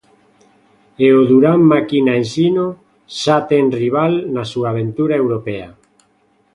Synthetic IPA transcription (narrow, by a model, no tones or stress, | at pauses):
eoðuɾammakinaensino | ʃat̪enriβ̞alnasuaːβ̞ent̪uɾaewɾopea